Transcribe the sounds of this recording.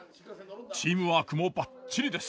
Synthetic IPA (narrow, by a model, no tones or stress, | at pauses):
t͡ɕiːmɯ̟βakɯ̟mobat͡ɕːiɾʲid̪e̞s